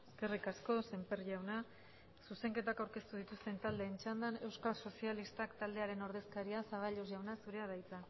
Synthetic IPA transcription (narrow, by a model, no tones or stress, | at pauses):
eske̞rikasko̞se̞mpe̞ɾʝawna | suse̞ŋke̞t̪akawɾke̞st̪uð̞it̪ust̪e̞nt̪ald̪e̞ːnt͡ʃand̪ane̞wskaso̞sialist̪akt̪ald̪e̞aɾe̞no̞ɾð̞e̞skaɾiasaβ̞aʎoz̬ʝawnasuɾe̞aɾðajt͡sa